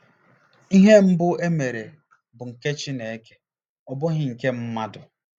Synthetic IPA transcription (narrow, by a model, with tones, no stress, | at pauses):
i˦ɦe˦m̩˦bʊ˦e˦me˨ɾe˨ | bʊ˨ŋ̩˨ke˦t͡ʃɪ˦ne˨e˦ke̥˦ | ɔ˦˨bʊ˦ɦɪ˦ŋ̩˨ke˦m̩˦ma˦dʊ˨